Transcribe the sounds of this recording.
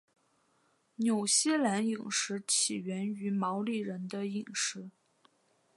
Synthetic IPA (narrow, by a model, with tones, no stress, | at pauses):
njo˨˩ʊɕjɛ˥˩la˧˥ni˨˩ŋʂɻ̩˧˥t͡ɕʰi˨˩ɥɛ˧˥ny˧˥mɑ˧˥ʊli˥˩ɻə˧˥nd̪ə˧i˨˩ŋʂɻ̩˧˥